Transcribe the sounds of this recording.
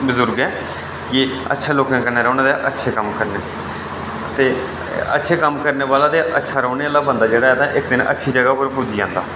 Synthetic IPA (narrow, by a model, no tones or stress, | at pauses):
bʊzʊɾɡɛ̃ː | kɪə̰tːʃʰaːloːkãkənːaːɾɔːnẽːd̪aʔətːʃʰeːkəmkəɾneː | t̪eː | ə̰tːʃʰeːkəmkəɾneːʋaːlaːt̪eːʔətːʃʰaːɾɔ̃ːneːaːlaːbənd̪aːd͡ʒeːɽaːɛːt̪aʔɪkd̪ɪnə̰tːʃʰiːd͡ʒəɡaːpəɾpuːd͡ʒiːã̰ːnd̪aː